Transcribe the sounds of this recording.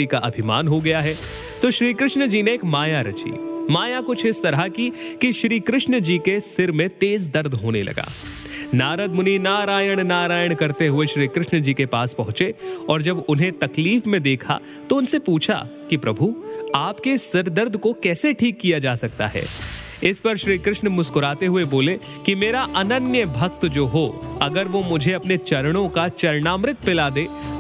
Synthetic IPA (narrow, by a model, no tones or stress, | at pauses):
ikaʔɐbʱɪma̰ːnɦoɡɐjaɦɛ | t̪oʃɾiːkɾɪʃnd͡ʒiːneeːkmaːjaɾɐt͡ʃḭːmaːjakʊt͡ʃʰɪst̪ɐɾəɦkikiʃɾiːkɾɪʃnəd͡ʒiːkesɪɾmẽt̪eːzd̪ɐɾd̪ʱɦoːnelɐ̰ɡa̰ː | naːɾəd̪mʊninaːɾaːjəɽ̃naːɾaːjəɽ̃kɐɾt̪eɦʊeʃɾiːkɾɪʃnd͡ʒiːkepaːspɐɦʊ̃t͡ʃeɔːɾd͡ʒɐbʊnɦẽt̪ɐkliːfmẽd̪eːkʰa̰ | t̪oʊnsepuːt͡ʃʰa̰kipɾɐbʱuaːpkesɐɾd̪əɾd̪ʱkokɛːseʈʰiːkːijad͡ʒaːsɐk̚t̪a̰ɦɛ̰ː | ɪspɐɾʃɾiːkɾɪʃnmʊskʊɾaːt̪eɦʊeboːle | kimeːɾaʔɐnənjəbʱɐk̚t̪d͡ʒoːɦoɐɡəɾʋomʊd͡ʒʱeɐpnet͡ʃɐɾɽ̃õkat͡ʃɐɾɳaːmɾɪt̪̚pɪlaːd̪eː